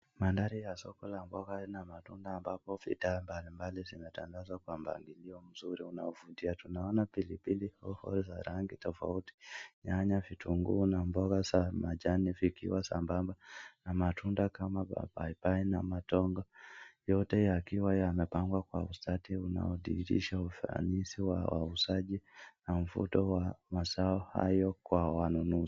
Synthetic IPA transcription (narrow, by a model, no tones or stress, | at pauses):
mandaɾijasɔkɔlambɔɣanamatundaːmbapɔvḭdambalimbalizimɛtaŋɡazwakwam̩ba̰ŋɡiliɔm̩zuɾiunaɔvutiatunaɔnapilipilihɔhɔ̰lzaɾaŋɡitɔfa̰uti̥ɲaɲavitʰuŋɡṵnambɔɣasamad͡ʒanifikḭwasa̰mbambanamatʰundakamaba̰ba̰ipainamatɔŋɡɔjɔtɛjakiwaamɛpaŋɡwakwa̰ustatiuna̰ɔɗiɾḭʃaufa̰nisiwa̰wa̰usaʄinam̩vṵtɔwamasaɔha̰jɔkwawanunuzi